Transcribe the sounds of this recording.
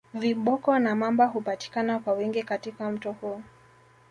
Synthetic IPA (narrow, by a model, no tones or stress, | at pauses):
viɓɔkɔnamambaɦupati̥kanakwawiŋɡikatikam̩tɔhuɔ